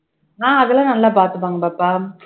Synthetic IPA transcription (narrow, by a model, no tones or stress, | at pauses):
ãːɐɣɐlãːnɐlːaːpaːɾt̪ɯp̬ːaːŋɡɐbaːpːaː